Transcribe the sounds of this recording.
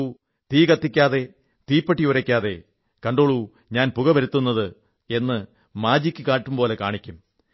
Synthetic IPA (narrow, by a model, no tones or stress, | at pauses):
t̪iːkɐt̪ːikʲːaːðe̞ | t̪iːpːɐʈːiuɾɐkʲːaːðe̞ | kɐɳɖoːɭu | ɲaːnpuɣɐʋɐɾut̪ːunːɐðɨ | e̞nːɨ | maːd͡ʑikʲːɨkaːʈːumpo̞ːle̞kaːɳikʲːum